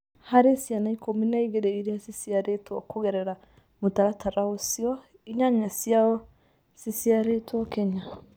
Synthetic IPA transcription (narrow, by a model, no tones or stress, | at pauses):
haɾesianaikominaiɣeɾeiɾiasisiaɾetwɔkoɣɛɾɛɾa | motaɾataɾaosiɔ | iɲaɲasiaɔ | sisiaɾetwɔkɛɲa